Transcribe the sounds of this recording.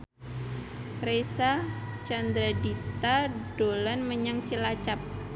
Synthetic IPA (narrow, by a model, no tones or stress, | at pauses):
resat͡ʃand̪ɾadit̪ad̥olanməɲaŋt͡ʃəlat͡ʃap̚